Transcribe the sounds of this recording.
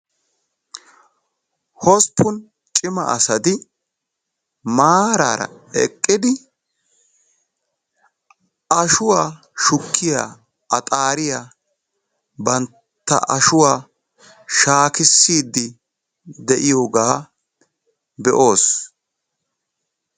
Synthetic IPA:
hɔspʰːʊn | t͡ʃʼɪmɐ̰ʔɐsɐd̪ɪ | maːɾa̰ːɾɐ̰ɛkʼːɪd̪ɪ | ɐʃʊwaː | ʃʊkːɪja̰ː | ɐt̪ʼaːɾɪjaː | bɐn | t̪ːɐ̰ʔɐʃʊwaː | ʃaːkɪsːiːd̪ːɪ | d̪ɛʔɪjoːɡaː | bɛʔo̞ːs

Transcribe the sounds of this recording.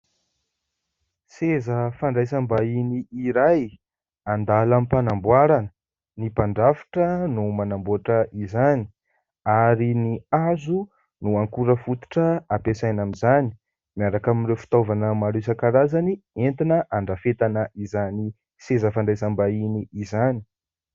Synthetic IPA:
sezəfaɳɖ͡ʐajsambainiiɾaj | and̪alamipanambwaɾanə | nipaɳɖ͡ʐafi̥ʈ͡ʂənumanambuaʈ͡ʂəʔizani̥ | aɾiniazu | nuaŋkuɾəfut̪u̥ʈ͡ʂəapesajnamizani̥ | miaɾakamirewfi̥t̪ovanəmaɾesakaɾazanient̪inəʔaɳɖ͡ʐafet̪anəʔizani | sezəfaɳɖ͡ʐajsambainiːzani̥

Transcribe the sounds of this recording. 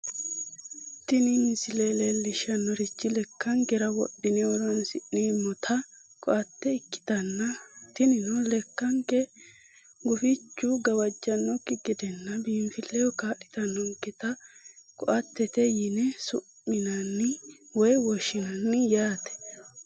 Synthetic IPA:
t̪ɪnɪmɪsɪlelelːɪʃɐnːɔɾɪt͡ʃːɪlɛkːɐŋkɛɾɐwɔ̰ɗːɪnɛwɔlɐnsɪʔimɔt̪ʰɐ | kɔʔɐt̪ːɛɪkːɪ̥t̪ɐnːɐt̪ɪnɪnɔlɛkːɐŋkɛ | ɡʊfɪt͡ʃːʊɡɐwɐd͡ʒːɐnːɔkːɪɡɪd̪ɛnːɐbiːmfɪlːɛjɔkaːʔːɪ̥t̪ɐnːɔŋkɪt̪ɐkɔʔɐt̪ːɛt̪ɛjɪnɛsʊmːɪnɐnːɪwɔjwɔʃːɪnɐnːɪjaːt̪ɛ̥

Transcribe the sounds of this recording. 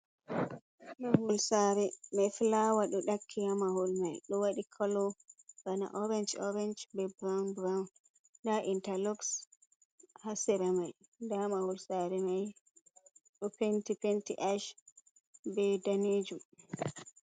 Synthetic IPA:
maɦulsaɾɛmɛflawaɗɔɗakʰːijamahulmajɗɔwaɗikʰɔlɔbana̰ʔɔɾɛnd͡ʒɔ̰ɾɛnd͡ʒbɛbɾanbɾawn | ndaʔintalɔks | hasɛɾamaj | ndamahulsaɾɛmaj | ɗɔpentipentḭʔaʃ | bɛdaneːd͡ʒum

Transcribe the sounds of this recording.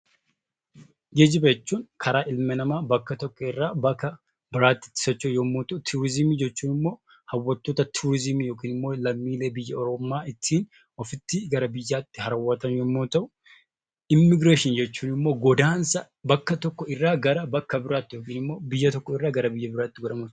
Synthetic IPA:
ɡeːd͡ʒɪbɐɛt͡ʃːuːŋkʰɐɾaːʔɪlmɛnɐmaːbɐkːɐt̪ɔkːɔɪrːaːbɐkːɐ | bɪɾaːt̪ːɪ̥t̪ːɪ̥sɔt͡ʃːɛjoːmːoːt̪ɐʊt̪ʰuːɾɪzɪmiːd͡ʒɛt͡ʃːuːnɪmːo̞ː | hɐwːɐt̪ːoːt̪ɐt̪ʰuɾɪzɪmijoːkiːnɪmːo̞ːlɐmːiːle̞ːbɪjːɐɔɾɔmːaːɪt̪ʰːiːn | ɔfɪt̪ːɪɡɐɾɐbɪjːaːt̪ːɪhɐɾɐwːɐt̪ɐnjoːmːoːt̪ɐʔʊ | ɪmːɪɡɾeːʃɪnd͡ʒɛt͡ʃːuːnɪmːoːɡɔd̪aːnsɐ | bɐkːɐt̪ɔkːɔɪrːaːɡɐɾɐbɐkːɐbɪɾaːt̪ːɪjo̞ːkiːnɪmːo̞ːbɪjːɐt̪ɔkːɔɪrːaːɡɐɾɐbɪjːɐbɪɾaːt̪ːɪɡɔd̪ɐmʊt

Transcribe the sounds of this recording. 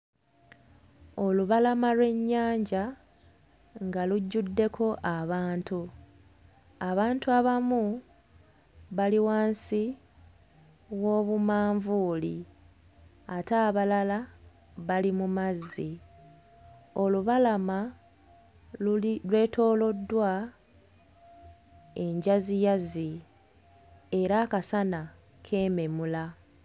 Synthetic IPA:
o̞luβalamalwe̞ɲːaːɲɟa | ŋɡaluɟːudːe̞kʰo̞ʔaβaːntu | aβaːntuaβamu | βaliwaːnsi | wo̞ːβumaːɱvuːli | ataːβalala | βalimumazːi | o̞luβalama | lwe̞ːtʰo̞ːlo̞dːwa | e̞ɲɟazijazi | eɾakasana | kʰe̞ːme̞mula

